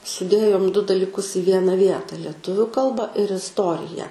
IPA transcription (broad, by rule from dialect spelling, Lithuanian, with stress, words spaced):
sʊˈdʲeːjoːm dʊ dɐlʲɪˈkʊs ɪ ˈʋʲiɛnɐ ˈʋʲiɛtɐ lʲiɛˈtʊʋʲʊ ˈkɐlˠbɐ ɪr ɪsˈtoːrʲɪjæː